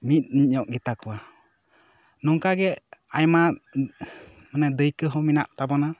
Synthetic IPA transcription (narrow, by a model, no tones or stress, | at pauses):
mit̪̚ˀniɲɲɔʔ̚ɡit̪akɔwa | nɔŋkaɡɛajma | mənɛd̪əjkəɦɔminaʔt̪abɔna